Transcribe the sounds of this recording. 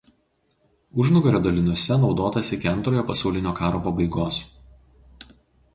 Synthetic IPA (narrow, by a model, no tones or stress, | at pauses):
ʊʒnʊɡɐɾʲoːd̪ɐlʲɪnɔsʲɛnɒʊd̪oːt̪ɐsʲɪkʲɪɐnt̪ɾoːjoːpɐsɐˑʊlʲɪnʲoːkɑːɾoːpɐbɐɪɡoːs